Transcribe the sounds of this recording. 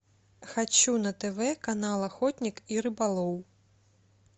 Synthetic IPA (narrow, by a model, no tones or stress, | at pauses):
xat͡ʃunɐt̪ɛvɛkanalˠaxɔt̪ʲnʲikiɾɨbalˠɔw